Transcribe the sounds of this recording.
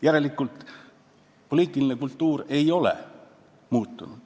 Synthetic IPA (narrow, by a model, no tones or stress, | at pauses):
jæɾe̞likːˑult̪ˑ | po̞lʲiːt̪ːˑiline̞kult̪ːuːɾe̞jo̞le̞̰ | muːt̪ːunud̪̥